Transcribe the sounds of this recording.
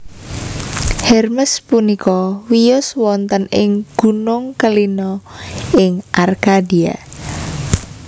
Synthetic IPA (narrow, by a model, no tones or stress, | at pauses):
hɛrməspunikɔwijʊswɔnt̪ənɪŋɡ̥ṳnʊŋkəlinɔɪŋʔarkadia̰